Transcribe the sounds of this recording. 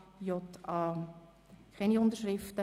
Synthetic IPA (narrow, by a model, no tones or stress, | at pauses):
jotʰɑ | kʰɛniʊndəɾʃɾɪftə